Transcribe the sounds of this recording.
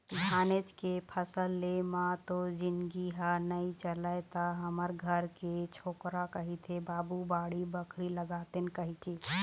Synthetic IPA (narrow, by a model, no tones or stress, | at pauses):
d͡ʒʱaːnet͡ʃkepʰəsəlːemãt̪od͡ʒɪnɡiɦanəĩt͡ʃələjt̪aɦəməɾɡʱəɾket͡ʃʰoːkɾakəɦit̪ʰebaːbubaːɽibəkʰɾiləɡaːt̪enkəɦike